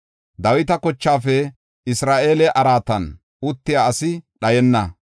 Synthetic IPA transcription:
d̪ɐwɪt̪ɐkɔt͡ʃːaːfɛ | ɪsɾaːʔe̞ːlɛʔɐɾaːt̪ɐn | ʊt̪ːɪjaːɐsɪɗɐjɛnːɐ

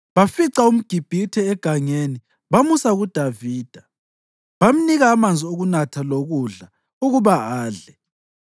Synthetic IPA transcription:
βafiǀaum̩ɡ̥ʱib̥ʱitʰɛɛɡ̥ʱaŋeni | βamusaɣud̥ʱaviːd̥ʱa | βam̩niɣaːmand͡zʱioɣunatʰaloɣuɮa | uɣuβaaːɮɛ

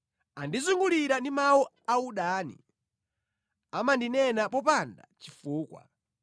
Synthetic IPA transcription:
andizuŋɡuliɾandimawɔ | auɗaːnḭ | amandinɛnapɔpanda̰t͡ʃifuːkwa̰

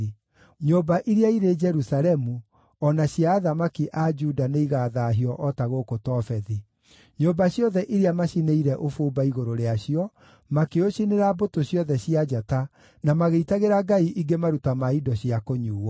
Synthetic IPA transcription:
ɲoːbaʔiɾeaiɾed͡ʒɛɾusaɾɛmu | ɔnaɕiaːðamakiʔad͡ʒuːdaneiɣaːðaːɦiɔʔɔtaɣokotɔːfɛði | ɲobaɕjɔðɛʔiɾeamaɕineiɾɛʔofoːbaiɣoɾoɾeaɕiɔ | makeoɕineɾabotoɕjɔðɛɕiad͡ʒata | namaɣeitaɣeɾaɡaiʔiɡemaɾutamaidɔɕjiakoɲuːwɔ

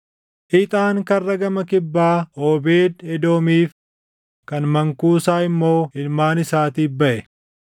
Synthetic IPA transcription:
ʔɪt̪ʼaːŋkɐrːɐɡɐmɐkɪbːaːoːbeːd̪ɛd̪o̞ːmiːf | kɐnmɐŋkuːsaːɪmːo̞ːɪlmaːnɪsaːt̪iːbɐʔɛ

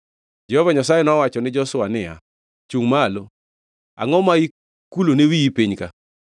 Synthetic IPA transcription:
d͡ʒɛhɔvaɲasajɛnɔwat͡ʃɔnɪd͡ʒɔsʊanɪa̰ | t͡ʃuŋmalo | a̰ŋɔmai | kulonewiipiɲka

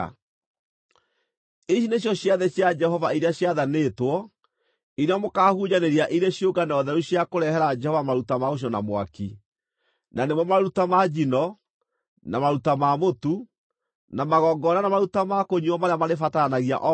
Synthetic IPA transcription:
iɕineɕjɔɕjaðɛɕjad͡ʒɛhɔvaiɾeaɕjaðanetwɔ | iɾeɔmokaːhuɲaneɾiaʔiɾeɕjoɡanaɔðɛɾuɕjakoɾɛɦɛɾad͡ʒɛhɔvamaɾutamaoɕ̬jɔna̰mwa̰ki | nanemwɔmaɾutamad͡ʒinɔ | namaɾutamamotu | namaɣɔːɡɔnanamaɾutamakoɲuɔmaɾeamaɾefatanaɣia̰ʔɔ

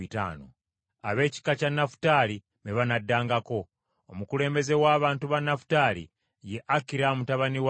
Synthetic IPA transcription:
ita̰ːno̰ | aβe̞ːci̥kacanːafu̥taːli | meβanadːaːŋɡako̞ | omukule̞ːmbe̞ze̞waːβaːntuβanːafu̥taːlḭ | je̞ʔakiɾamutaβaniw

